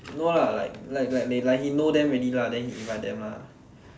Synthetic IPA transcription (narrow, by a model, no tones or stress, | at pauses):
nolala̰ɪk̚lajk̚lajk̚lalakhinodɛ̃mɛniladɛ̃nhiĩvaɪt̚dɛ̃mla̰